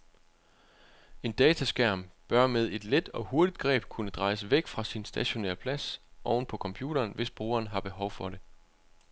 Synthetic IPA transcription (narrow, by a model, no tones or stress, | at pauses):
e̝nd̥ɛːt͡sʰæsɡ̥æɐ̰mb̥ɶɐmeð̞ˠe̝d̥led̥ɒ̽ho̝ɐd̥id̥ɡ̥ʁɛ̰ːb̥kʰunəd̥ʁɑ̈ɪsəʋeɡ̥fʁɑ̈sinsd̥æɕo̝nḛɐpʰlæsʔɒʊn̩pʰɒ̽kʰɒ̽mpʰjṵːɾ̥ɐːnʋe̝sb̥ʁṵːɐːnɦɑ̈b̥e̝ɦɒ̽ʊfɒ̽ɾe̝